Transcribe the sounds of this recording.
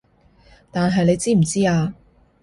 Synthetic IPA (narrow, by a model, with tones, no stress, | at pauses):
t̪aː˨nɦɐ˨jnle˧jt͡siː˥m̩˨˩t͡siː˥aː˧